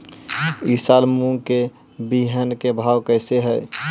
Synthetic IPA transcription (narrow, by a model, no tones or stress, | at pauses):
isalmuŋɡke | biɦənkebʱawkəɪseɦəj